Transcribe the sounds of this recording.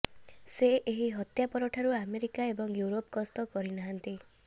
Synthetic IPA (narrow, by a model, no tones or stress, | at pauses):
seʔeɦiɦɔt̪japɔɾɔʈʰaɾuameɾikaebɔŋjuɾopkɔst̪ɔkɔɾinaɦant̪i